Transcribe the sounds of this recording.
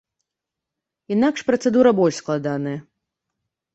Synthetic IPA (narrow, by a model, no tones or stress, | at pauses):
inakʂpɾɐt̪sɛd̪uɾɐbɔlʲʂsklˠad̪anɐjɐ